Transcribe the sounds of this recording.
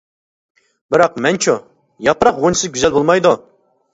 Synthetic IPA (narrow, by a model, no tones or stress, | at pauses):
bɪɾɑqmɛnt͡ʃʰu | jɑpɾɑqʁonsɨɪɡʲyzɛlbolˠmɑjd̪u